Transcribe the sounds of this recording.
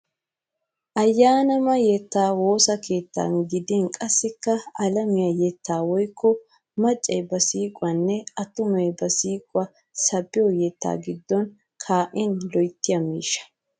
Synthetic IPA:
ʔɐjːaːnɐmɐjɛt̪ːaːwo̞ːsɐke̞ːt̪ːa̰nɡɪd̪ɪnkʼɐsːɪkːɐɐlɐmɪjajɛt̪ʰːaːwɔjkʰːɔ | mɐt͡ʃʼːɐjbɐsiːkʼwɐnːɛʔɐt̪ʊmɐjbɐsiːkʼʊwɐ | sɐbːɪjɔjɛt̪ːa̰ːɡɪd̪ːɔn | kʰaːʔɪnlɔjt̪ːɪjɐmḭːʃːɐ̥

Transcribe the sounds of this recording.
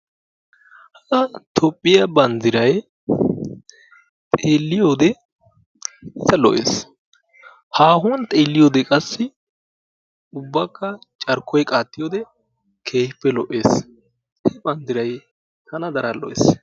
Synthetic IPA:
hɐʔɐt̪ʰɔpʼːɪjɐbɐnd̪ɪɾɐj | t̪ʼeːlːɪjoːd̪ɛ | ɪzːɐlɔʔḛːs | haːɦʊnt̪ʼe̞ːlːɪjoːd̪ɛkʼɐsːɪ | ʊbːɐkːɐ | t͡ʃʼɐɾkʰːɔjkʼaːt̪ːɪjoːd̪ɛ | kʰe̞ːhɪpːɛlɔʔeːs | hɛbɐnd̪ɪɾɐj | hɐnɐd̪ɐɾɐlɔ̰ʔḛːs

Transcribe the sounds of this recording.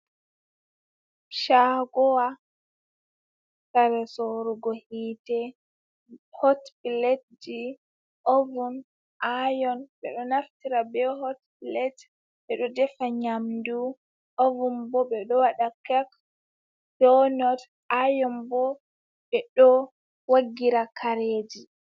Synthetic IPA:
ʃaɡɔwa | saɾɛsɔɾuɡɔhiːtɛ | hɔtbilet̚d͡ʒi | ovun | ʔajɔnɓɛɗɔnaftiɾabɛhɔtbilɛt | ɓɛɗɔdɛfaɲamdu | ʔovumbɔɓɛɗɔwaɗakɛk | dɔnɔt | ajɔmbɔ | ɓɛɗɔ | waɡːiɾakʰaɾeːd͡ʒi

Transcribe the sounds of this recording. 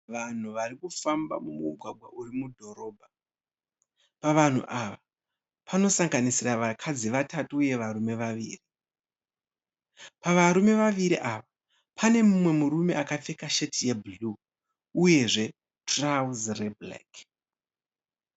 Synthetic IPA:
ʋan̤uʋarikufamba̰mumuɡʱwaɡʱwa̰ʔurimudʱo̞ɾo̞ːbʱa | paʋan̤uʔaʋa | pʰano̞saŋɡanisiraʋakʰad͡ziʋatʰatuːje̞ʋaɾume̞ʋaʋḭːri | paʋaɾume̞ʋaʋiɾiʔaʋa | pʰane̞mumwe̞muɾume̞ʔakap͡fekaʃetʰijebuluː | je̞ʐe̞ | trazreblḛk

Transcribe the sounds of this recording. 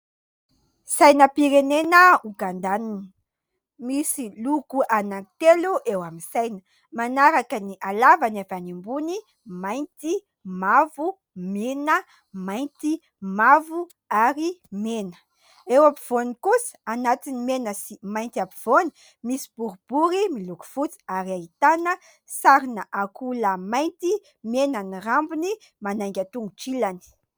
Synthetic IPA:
sajnəpiɾenenəuɡand̪anini̥ | misiluɡuʔanant̪eluʔewaminsajnə̥ | manaɾakəniʔalavanavanimbuni | majnt̪i | mavu | menə | majnt̪i | mavu | aɾimenə̥ | ewapiv̥onikusə̥anat̪inimenəsimajnt̪iapiv̥oni̥ | misi̥b̥uɾub̥uɾimiluku̥fut͡si̥aɾiait̪anə | saɾinəʔakuləmajnt̪i | menanirambuni | manajŋɡʲat̪uŋɡuʈ͡ʂilani̥

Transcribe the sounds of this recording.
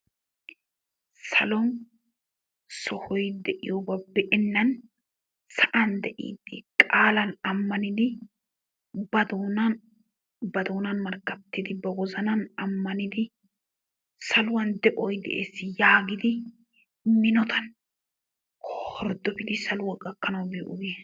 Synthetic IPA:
sɐlɔn | sɔhɔjd̪ɛʔɪjoːbɐbɛʔɪnːɐn | sɐʔɐnd̪ɛʔḭːd̪ɪkʼaːlɐnɐmːɐnɪd̪ɪ | bɐd̪ːn | bɐd̪oːnɐnmɐɾkːɐt̪ːɪd̪ɪbɐwɔzɐnɐnɐmːɐnɪd̪ɪ | sɐlʊwɐnd̪ɛʔɔjd̪ɛ̰ʔeːsːɪjaːɡɪd̪ɪ | mɪnɔt̪ʰɐn | hhɔɾd̪ɔbɪd̪ɪsɐlʊwɐkʼɐkːɐnɐwbɪʔʊɡe

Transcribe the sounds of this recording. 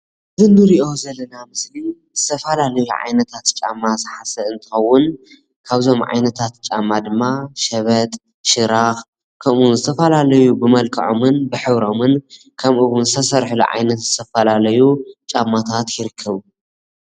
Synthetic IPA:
ɨzɨnd̪ɨɾiʔo̞zɐlːɐnamɨsli | zɨt̪ʰɐfɐlalɐjuʕa̰jnɐt̪ʰat̪t͡ʃʼa̰mːazɨħasɐɨnt̪ʰɨ̥xɐwːʊn | kʰaβzo̞mʕa̰jnɐt̪ʰat̪t͡ʃʼamːad̪ɨmːaʃɐβɐt̪ʼ | ʃɨɾax | kʰɐmʔunzɨt̪ʰɐfɐlalɐjubɨmɐlkʰʼɐ̰ʕo̰mɨnbɨħɨβɾo̞mɨn | kʰɐmʔɨwʊnzɨt̪ʰɐsɐɾħlṵʕa̰jnɐt̪zɨt̪ʰɐfɐlalɐjut͡ʃʼamːat̪ʰat̪jɪɾɨkʰːɐβu

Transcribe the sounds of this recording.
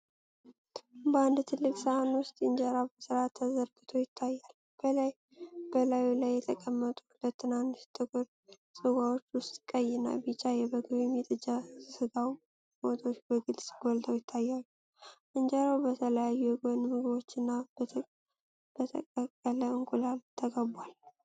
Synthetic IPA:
bəand̪t̪ʰɨlːɨkʼsəanwʊst̪ʼɨnd͡ʒaɾabəsɨɾat̪ʰːəzəɾɡɨt̪ʰo̞jɪt̪ʰːajːalː | b̥əlaj | b̥əlajulajːɛt̪ʰəkʼəmːət̪ʼulət̪ʰːɨnanːɨʃt̪ʼɨkʼɨɾ | sʼɨwawot͡ʃːwʊst̪ʼkʼəjːɪna̰bit͡ʃʼajɛbəɡɨβjɛmːit̪ʼɨd͡ʒasɨɡaw | mot̪ʰot͡ʃːbəɡɨlsʼɡɔlt̪ʰəwjɪt̪ʰːajːal | ʔɨnd͡ʒaɾawbət̪ʰələjajːuɛɡonmɨɡɨβo̞t͡ʃːɨnːab̪ʰ | b̥ət̪ʰə̰kʼəkʼːələɨŋkʼulalt̪ʰəɡəbal

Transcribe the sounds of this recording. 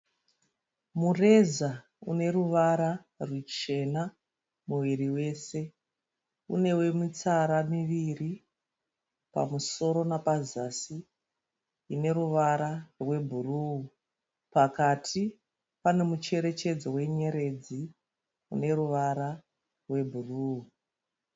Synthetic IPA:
mure̞za | ṵne̞ɾuʋaɾa | rwut͡ʃe̞na | muʋiriwe̞ːse̞ | ṵne̞we̞mit͡saɾamiʋiri | pa̰muso̞ɾo̞napazasi | ne̞ɾuʋaɾarwe̞bʱuruu | pakatʰi | pane̞mut͡ʃe̞ɾe̞t͡ʃe̞d͡zowe̞ɲe̞ɾe̞d͡zi | ṵne̞ɾuʋaɾa | rwe̞bʱuruːu

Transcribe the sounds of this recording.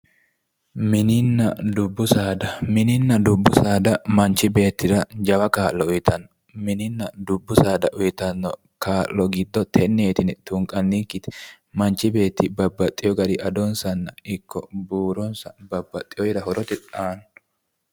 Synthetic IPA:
mɪnɪnːɐd̪ʊbːʊsaːd̪ɐmɪnɪnːɐd̪ʊbːʊsaːd̪ɐmɐnt͡ʃːɪbe̞ːt̪ːɪɾɐd͡ʒɐwɐkaːʔlːɔʊjɪt̪ʰɐn | mɪnɪnːɐd̪ʊbːʊsaːd̪ɐʔʊjɪt̪ɐnːɔ | kaːʔlɔɡɪd̪ːɔt̪ʰɛnːeːt̪ɪnɛt̪ʊŋkʼɐnːikːɪt̪ɪ̥ | mɐnt͡ʃːɪbe̞ːt̪ːɪbɐbːɐt̪ʼːɪjɔɡɐd̪ɪʔɐd̪ɔnsɐnːɐɪkːɔ̰buːɾɔnsɐbɐbːɐt̪ʼːɪjɔjɪɾɐhɔɾɔt̪ɪᶑaːn

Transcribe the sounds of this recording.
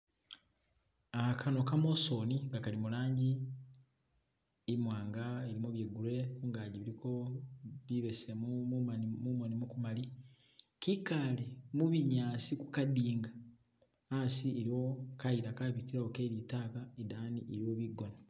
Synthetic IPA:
akʰano̞kamoso̞niŋɡakalimulaːɲɟi | imwaːŋɡaeɾimoβjeɡuɾe̞kuŋɡaɟiβiɾiko̞βiβesemumuamumonimukumali | kikalemuβiɲaːsiku̥kadiːŋɡa | asieɾiokaiɾakaβitiɾaokeɾitaːkaedaːniʔeɾioβiɡo̞na

